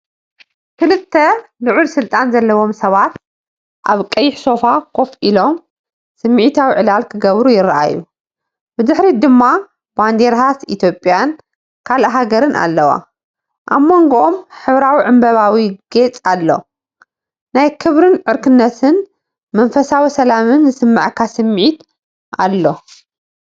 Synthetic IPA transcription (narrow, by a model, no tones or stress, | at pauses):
kʰɨlɨt̪ʰːɐlɨʕulsɨlt̪ʼanzɐlːɐwo̞msɐβat̪ | ʔaβkʼɐjːɪħso̞fakʰo̞fʔilo̞m | sɨmːɨʕit̪ʰawiʕɨlalkʰɨɡɐβɾujɪɾɐʔa̰jːu | bɨd̪ɨħɾid̪ɨmːa | band̪eɾɦasit̪ʰjo̞pʼjan | kʰalɐɦaɡɐɾɨnʔa̰lːɐwa̰ | ʔamːo̞ŋɡoʔomħɨβɾawiʕɨmbɐβawiɡ̥et͡sʼalːo̞̰ | najkʰɨβɾɨnʕɨɾkʰɨnːɐt̪ʰɨn | mɐnfɐsawisɐlamɨnzɨsɨmːɨ̰ʕkʰasɨmːʕit̪ | ʔa̰lːo̞